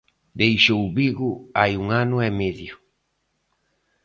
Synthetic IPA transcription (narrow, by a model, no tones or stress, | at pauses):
d̪ejʃowβiɣʊajuŋanʊɛmeðjʊ